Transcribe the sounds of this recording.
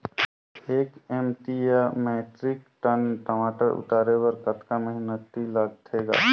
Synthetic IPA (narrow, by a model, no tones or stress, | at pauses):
eːkemʈiameːʈɾɪkʈənʈəmaːʈəɾʔʊ̰t̪aːɾewəɾkɐt̪kamɐɦɪnət̪ːilaːɡt̪ʰeːɡa̰ː